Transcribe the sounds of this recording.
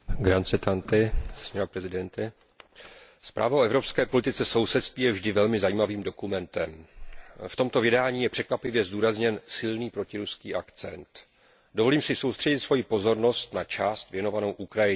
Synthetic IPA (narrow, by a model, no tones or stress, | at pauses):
ɡɾant͡sɛt̪ant̪ɪsɲɛɾopɾɛzɪdɛnt̪ɪ | spɾʔa̰ːvaʔoɛvɾo̞pskɛːpo̞lɪt̪ɪt͡sɛfso̞wsɛt̪st̪viːjɛvʒdɪvɛlmɪzajiːmaviːmdo̞kumɛnt̪ɛm | ft̪o̞mt̪o̞vjɛdaːɲiːjɛpr̝̥ɛkvapɪvjɛzduːɾazɲɛnsɪlniːpɾo̞cɪɾuskiːʔakt͡sɛ̰nt̪ | do̞vo̞liːmsɪso̞wst̪r̝̥ɛɟɪt̪svo̞jɪpo̞zo̞ɾno̞st̪nat͡ʃaːst̪vjɛno̞vano̞wʔukɾajɪ